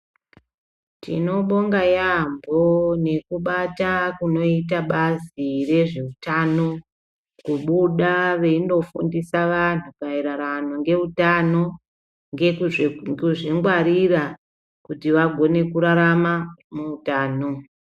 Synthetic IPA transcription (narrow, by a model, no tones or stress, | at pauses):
tḭno̞ɓo̞ŋɡajambone̞kuɓatakuno̞it̬aɓazire̞ʐe̞utano̞ | kuɓuɗaʋe̞ino̞fṵndisaʋan̤upaiɾaɾanoŋɡe̞utano̞ | ŋɡe | uʐiŋɡwaɾira | kutiʋaɡʱo̞ne̞kuɾaɾamamuutaːno̞